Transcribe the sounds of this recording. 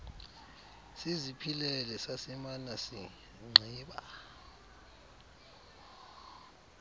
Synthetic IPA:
sizipʰilɛlɛsasimanasḭ | ŋ͡ǀʱiːɓa̰

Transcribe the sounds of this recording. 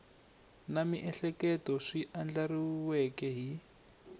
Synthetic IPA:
namiʔɛɬɛkɛtɔʂiʔand͡ɮariwɛkɛɦi

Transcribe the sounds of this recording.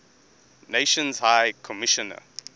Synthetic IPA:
neʃə̃nzhaɪkʰɔmɪʃɔnə̰

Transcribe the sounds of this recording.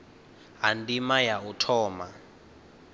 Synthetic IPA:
ɦandimajautʰɔːma

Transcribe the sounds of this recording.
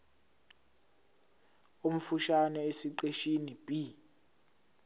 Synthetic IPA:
um̩fuʃanɛesiǃeʃinib̥i

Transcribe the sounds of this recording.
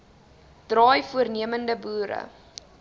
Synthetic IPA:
d̥rɑːjfuərniəməndəbuːɾə̰

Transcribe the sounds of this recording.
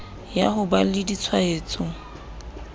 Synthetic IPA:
ja̰hʊbalɪdit͡sʰwaeːt͡sʼʊ

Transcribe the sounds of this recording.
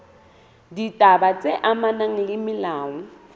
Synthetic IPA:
ditʼabat͡sʼeʔamanaŋ̩lɪmɪlaːŋʊ

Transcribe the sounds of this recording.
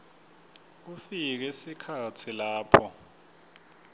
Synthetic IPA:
ufik̬ɛesikʰatʰilaːpʰɔ

